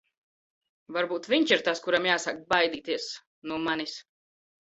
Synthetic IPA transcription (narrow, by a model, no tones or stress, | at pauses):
vaɾbuːt̪viɲʲt͡ʃiɾt̪askuɾamjaːsakbajd̪iːt̪iɛs | nuɔmanis